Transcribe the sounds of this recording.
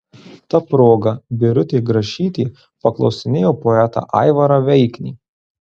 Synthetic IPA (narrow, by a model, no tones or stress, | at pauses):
t̪ɐpɾoːɡɐbʲɪɾʲʊt̪ʲeːɡɾɐʃʲiːt̪ʲiː | pɐklˠɒ̰ʊsʲɪnʲeːjoːpoːɛt̪ɑ̰ːʔɑ̰ɪʋɐɾɐʋʲɛɪkʲnʲḭː